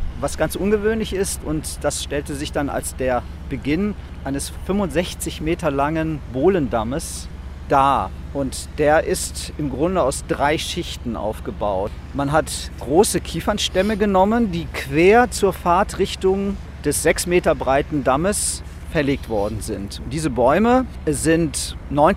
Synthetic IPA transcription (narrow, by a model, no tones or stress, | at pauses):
vasɡ̥ant͡sʔʊnɡəvøːnlɪçɪstʊntd̥asʃtɛltəzɪçd̥ana̰lsd̥eːɐ | b̥əɡɪnʔaɪnəsfʏmvʊntz̥ɛçt͡sɪçmeːtɐlaŋənboːləndaməs | d̥aːʔʊntd̥eːɐʔɪstɪmɡʁʊndəaʊsd̥ʁaɪʃɪçtn̩ʔa̰ʊfɡ̥əba̰ʊt | manɦatɡ̥ʁoːsəkʰiːfɐnʃtɛməɡənɔməndiːkv̥eːɐt͡suːɐfaɐtʁɪçtʊŋ | d̥ɛsz̥ɛksmeːtɐbʁaɪtn̩daməs | fɛɐleːk̚tv̥ɔɐdn̩zɪntʊnd̥iːzəbɔʏməzɪntnɔʏn